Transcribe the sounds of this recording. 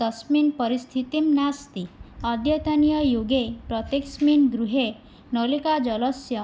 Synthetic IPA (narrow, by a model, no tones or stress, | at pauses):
d̪̥ʌsminpʌɾist̪ʰit̪imnast̪iɔd̪ʱjet̪anijɔjoɡepɾɔt̪eksminɡɾuɦe | nɔlikad͡ʒɔlɔsjɔ